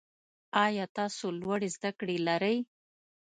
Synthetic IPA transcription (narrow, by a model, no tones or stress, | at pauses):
ɑjɑt̪ɑsolwaɽezd̪akɽelaɾəj